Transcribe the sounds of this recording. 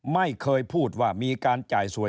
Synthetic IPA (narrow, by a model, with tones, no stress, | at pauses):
ma˥˩jkʰɤː˧jpʰuː˥˩t̪̚waː˥˩miː˧kaː˧nt͡ɕaː˨˩jsu˨˩˦